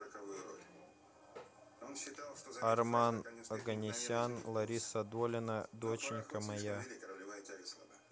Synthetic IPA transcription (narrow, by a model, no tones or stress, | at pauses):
ɐrmanɐɡənʲɪsʲanlˠɐɾʲisɐd̪olʲɪnɐd̪ot͡ɕɪnʲkəmɐja